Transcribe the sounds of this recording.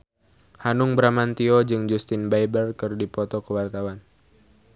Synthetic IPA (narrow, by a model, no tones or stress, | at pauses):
hanʊŋbɾamant̪iɔd͡ʒɨŋd͡ʒust̪ɪnbajbərkɨrdipɔt̪ɔkəwart̪awan